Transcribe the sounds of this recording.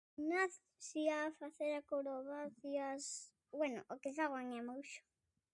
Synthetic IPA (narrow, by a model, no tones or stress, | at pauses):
naθ | siafaθeɾakoɾoβaθias | bwɛnʊ̰ʔokes̬aɣwaŋɛmowʃo̥